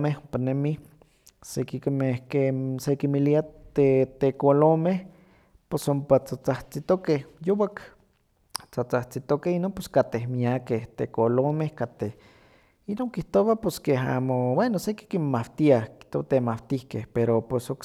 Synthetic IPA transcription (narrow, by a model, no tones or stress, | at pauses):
mehompanemi | sekikmehkesekimiliat̪et̪ekolomeh | posompat͡sat͡saht͡sit̪okehjowak | t͡sat͡saht͡sit̪okehinoːnposkat̪ehmiakeht̪ḛkolomehkat̪eh | inoːŋkiht̪owaposkeɦa̰mowenoseki̥kimmawt̪iahki̥ht̪oat̪emawt̪ihkehpeɾopesok